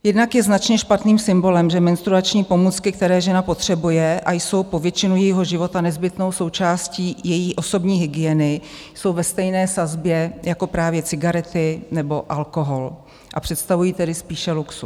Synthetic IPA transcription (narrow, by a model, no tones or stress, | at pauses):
jɛdnakjɛznat͡ʃɲɛʃpat̪niːmsɪmbo̞lɛmʒɛmɛnst̪ɾuat͡ʃɲiːpo̞muːt͡skɪk̚t̪ɛɾɛːʒɛnapo̞t̪r̝̥ɛbujɛʔajso̞wpo̞vjɛt͡ʃɪnujɛjiɦo̞ʒɪvot̪anɛzbɪt̪no̞wso̞wt͡ʃaːsciːjɛjiːʔo̞so̞bɲiːɦɪɡɪɛnɪjso̞wvɛst̪ɛjnɛːsazbjɛjako̞pɾaːvjɛt͡sɪɡaɾɛt̪ɪnɛbo̞ʔalko̞ɦol | ʔapr̝̥ɛt̪st̪avujiːt̪ɛdɪspiːʃɛluksu